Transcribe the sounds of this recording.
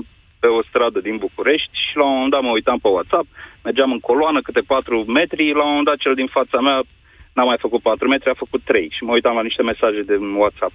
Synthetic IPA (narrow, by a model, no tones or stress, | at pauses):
pe̞o̞st̪ɾad̪əd̪inbukuɾe̞ʃt̪ʲʃilaoend̪at̪məujt̪ampewat̪sap̚me̞rd͡ʒamɨŋko̞loanəkɨt̪e̞pat̪ɾume̞t̪ɾilawmoənd̪at̪̚t͡ʃe̞ld̪infat̪samea | namːajfəkut̪̚pat̪ɾume̞t̪ɾiafəkut̪ːɾe̞jʃiməujt̪amlaniʃt̪e̞me̞saʒe̞d̪ewat̪sap̚